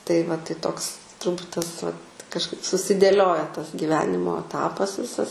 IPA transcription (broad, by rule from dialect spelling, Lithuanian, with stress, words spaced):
tɐɪ ʋɐ tɐɪ ˈtoːks tʊrˈbuːt ˈtɐs ʋɐt kɐʃˈkɐɪp sʊsʲɪdʲeːˈlʲoːjɛ tɐs ɡʲiːˈʋʲæːnʲɪmoː ɐˈtɑːpɐs ˈʋʲɪsɐs